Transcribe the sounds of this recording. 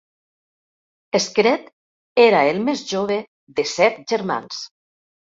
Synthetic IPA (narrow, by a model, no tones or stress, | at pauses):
eskɾet̪ | eɾaelˠmezʒoβ̞e | ðesɛt̪̚ʒeɾma̰ns